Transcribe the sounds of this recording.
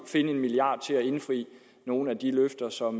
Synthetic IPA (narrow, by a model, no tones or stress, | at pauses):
fe̝nəe̝nmiliɑ̰̈ːd̥̚t͡sʰe̝læe̝nfʁḭː | no̝ːn̩æd̥iløfd̥ɐsɒ̽m